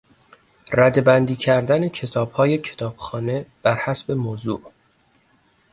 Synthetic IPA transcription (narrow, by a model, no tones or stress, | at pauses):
ræd̪e̞bænd̪iːcʰæɾd̪æne̞cʰe̞t̪ʰɒːb̥hɒːje̞cʰe̞̥t̪ʰɒːb̥xɒːne̞b̥æɾhæsbe̞moːzṵʔ